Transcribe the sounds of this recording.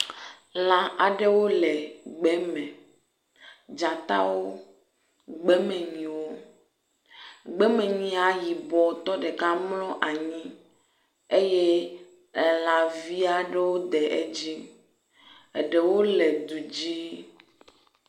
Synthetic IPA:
lã˨a˨ɖe˦wo˦lɛ˨ɡ͡bɛ˦mɛ̃˨ | d͡ʒa˨t̪a̰˦wo˦ | ɡ͡bɛ˦mɛ̃˨ɲĩ˨wo˦ | ɡ͡bɛ˦mɛ̃˨ɲĩ˨˦a˨ji˨bɔ˨t̪ɔ˦ɖɛ˨ka˦mlɔ̃˦ʔa˨ɲĩ˦ | e˦jɛ˦ | ɛ˨la˨vi˦a˦ɖe˦wo˦d̪ɛ˨ʔe˦d͡ʑi˦ | e˨ɖe˨wo˦lɛ˨d̪u˨d͡ʑi˦

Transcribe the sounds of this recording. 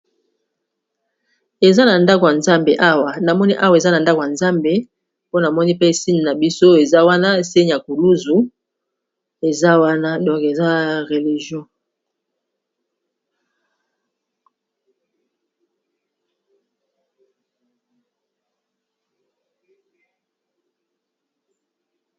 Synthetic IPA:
e˨za˦na˨nda˦ko˨ja˨nza˦mbe˨ʔa˦wa˨na˨mɔ˦ni˦ʔa˦wa˨e˨za˦na˨nda˦ko˨ja˨nza˦mbe˨ | po˦na˨mɔ˦ni˦pe˦˨si˦ɲi˨na˨bi˦so˦e˨za˦wa˦na˦˨se˦ɲ˨ja˨ku˨lu˦zu˨ | e˨za˦wa˦na˦dɔ̃˨ŋke˨za˦ʁe˨li˨ʒjɔ̃˦

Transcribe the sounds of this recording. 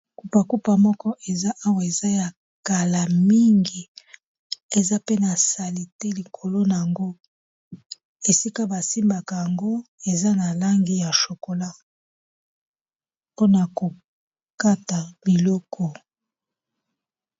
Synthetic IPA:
ku˨pa˨ku˦pa˨mɔ˦kɔ˦ʔe˨za˦ʔa˦wa˨e˨za˦ja˨ | ka˨la˨mi˦ŋɡi˨ | e˨za˦pe˦na˨sa˨li˨te˦li˨kʰo˨lo˦na˨ja˨ŋɡo˦ | e˨si˦ka˦ba˨si˦mba˨ka˨ja˨ŋɡo˦e˨za˦na˨la˦ŋɡi˨ja˨ʃo˨ko˨la˦ | po˦na˨ko˨ | ka˦ta˨bi˨lɔ˦kʰɔ˨

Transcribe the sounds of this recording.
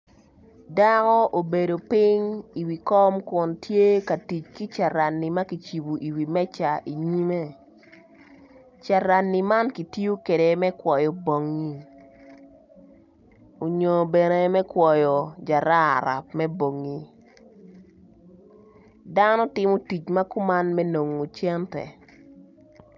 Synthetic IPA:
da˦kɔ˦ʔo˨be˨do˨pɪ˦ŋi˨wi˨kɔ˦mkʊ˨ntje˦ka˨ti˨t͡ʃki˦t͡ʃa˨ɾa˨nːi˨ma˦ki˨t͡ʃi˨bu˨ʔi˨wi˨mɛ˦t͡ʃa˨ʔi˨ɲi˦me˦ | t͡ʃa˨ɾa˨nːi˨ma˦nki˨ti˦o˦ke˨de˨mɛ˦kwɔ˨jɔ˨bo˨ŋːi˦ | o˨ɲo˨bɛ˨ne˦mɛ˦kwɔ˨jɔ˨d͡ʒa˨ɾa˦a̰˨ɾa̰˨pmɛ˦bo˨ŋːi˦ | da˦nɔ˦tɪ˦mo˦ti˨t͡ʃma˦kʊ˦ma˦nmɛ˦no˨ŋo˨t͡ʃɛ˦ntɛ̰˨

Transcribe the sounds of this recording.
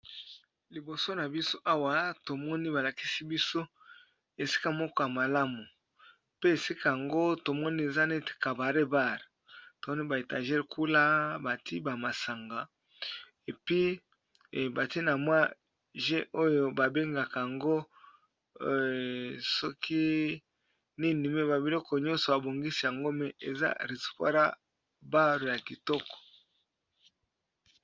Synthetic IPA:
li˨bo˨so˦na˨bi˦so˦ʔa˦wa˨to˨mɔ˦ni˦ba˨la˨ki˦si˦bi˦so˦ | e˨si̥˦ka˦mɔ˦kɔ˦ja˨ma˨la˦mu˨ | pe˦e˨si˦ka˦ja˨ŋɡo˦to˨mɔ˦ni˦e˨za˦ne˦te̥˨ka˨ba˨ʁe˦ba˦˨ʁ | to˨mɔ˦ni˦ba˨e˨ta˨ʒɛ˦lku˦la˦ba˨ti˦ba˨ma˨sa˨ŋɡa˨ | e˨pi˦˨ | ba˨ti˦na˨mwa˦ | ʒɛ˦ʔo˦jo˨ba˨be˦ŋɡa˨ka˨ŋɡo˦˨ | so˦kʰi˦ | ni˦ni˨me˦ba˨bi˨lɔ˦kɔ˨ɲɔ̃˦nso˨ba˨bo˨ŋɡi˦si˨ja˨ŋɡo˦mɛ˨e˨za̰˦ɾi˨si̥˨pa̰˦ɾa̰˦ | ba˦ɾo˨ja˨ki˨tɔ˦kɔ̥˨

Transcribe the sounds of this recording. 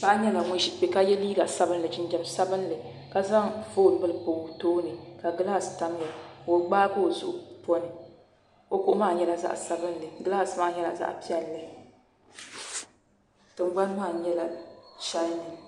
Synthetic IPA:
ka˦ɲɛ˦la˨ŋʊ˨ʃi˨˦pe˨ka˦jɛ˦liː˦ɡa˨sa˦bɨ˦nlɨ˨d͡ʒɪ˦n˦d͡ʒɛ˨m˨sa˦bɨ˦n˦lɨ˨ | ka˦za˦ŋvoː˦˨n˨˦bɨ˦lɨ˦po˨toː˦nɨ˨ka˨ɡɨ˦lha˨sta˦m˦jɛ˨o˨ɡ͡baː˦bɨ˦˨zʊ˦˨ʔʊ˦po˦nɨ˨ | o˨ko˦maː˦˨ɲɛ˦la˨za̰˦ʔsa˦bɨ˦n˦lɨ˨ɡɨ˦lha˨sɨ˦maː˦˨˦ɲɛ˦la̰˨za̰˦ʔpi˦ɛ˨lːɨ˦˨ | tɨ˨ŋ͡mɡ͡ba˦n˦maː˦˨ɲɛ˦la˨ʃa˦nɨ˨

